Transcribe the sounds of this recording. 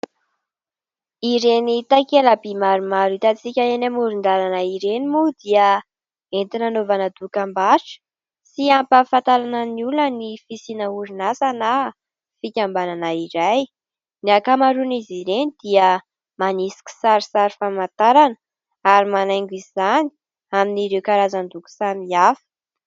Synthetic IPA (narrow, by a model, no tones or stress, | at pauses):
iɾenit̪akelabimaɾumaɾit̪at͡sikʲaenamuɾund̪aɾanaiɾenimud̪iə | ent̪inanovanəd̪ukambaʈ͡ʂə̥ | siampəfant̪aɾanəniulənifisinəuɾinasana | fikʲambananaiɾaj | niakamaɾuniziɾenid̪iə | manisi̥kʲi̥saɾisaɾifamant̪aɾanə | aɾimanajŋɡizizani̥ | aminiɾewkaɾazand̪uku̥samiafə̥